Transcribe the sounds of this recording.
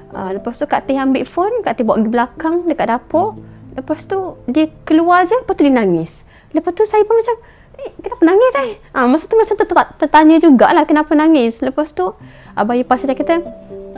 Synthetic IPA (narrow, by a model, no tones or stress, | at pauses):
ʔə̰ləpast̪ukaʔt̪ɪɦambɪʔfɔnkaʔt̪ihbaʔɡibəlakaŋdəkaʔdapɔʔləpast̪udiəkəluard͡ʒələpast̪udiənaŋɪs | ləpast̪usajəpʊmat͡ʃam | ehkənapənaŋɪsahʔəmasat̪umasaŋt̪ut̪aʔt̪ət̪aɲəd͡ʒuɡaʔlahkənapənaŋɪsləpast̪u | ʔabajipasad͡ʒakit̪ə